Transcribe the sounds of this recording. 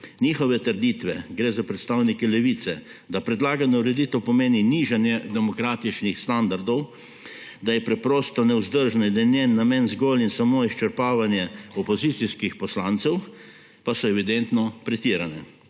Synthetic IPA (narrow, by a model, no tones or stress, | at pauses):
nixɔʋɛt̪əɾd̪it̪ʋɛɡɾeːzapɾɛt̪st̪aːwnikɛlɛʋiːt̪sɛ | d̪apɾɛd̪laːɡanɔuɾɛd̪iːt̪ɛwpɔmeːniniːʒanjɛd̪ɛmɔkɾaːt̪it͡ʃnixst̪and̪aɾd̪ɔw | d̪ajɛpɾɛpɾɔːst̪ɔnɛʊzd̪əɾʒnid̪anɛːamɛnzɡoːlinsamoːist͡ʃəɾpaːʋanjɛɔpɔzit̪siskixpɔslant̪sɛw | pasɔɛʋid̪ɛnt̪nɔpɾɛt̪iːɾanɛ